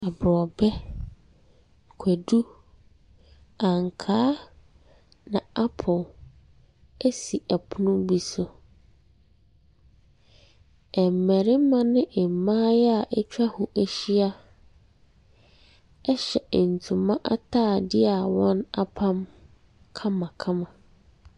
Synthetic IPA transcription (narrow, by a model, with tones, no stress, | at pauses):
a˨bɾɔ˨bɛ˦ | kʷʰæ˨du˦ | ã˨ŋ˨kʰaː˦ | nã˨a˦pʰɔ˨l | æ˦si˨ʔæ˨pʰʊ˦nʊ̃˦bi˦sʊ˨ | ɛ˨m̩˨mæ˨ɾɪ˦mã˦nɪ̃˦ʔɛ˨m˨mãː˦jɛ˦a˨ʔɛ˦t͡ɕᶣa˦hʊ˨ʔæ˦ɕi˦a˦ | ɛ˦ɕɛ˨n̩˨tʰũ˨mã˦ʔa˦tʰaː˦˨dɪ˦a˨wɔ̃˦na˦pʰã˦m | kʰã˦mã˨kʰã˦mã˨